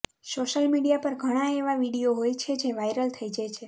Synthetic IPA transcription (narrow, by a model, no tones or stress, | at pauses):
soʃəlmiɽijapəɾɡʱəɽ̃ãeʋaʋiɽioɦojt͡ʃʰed͡ʒeʋajɾəlt̪ʰəjd͡ʒajt͡ʃʰe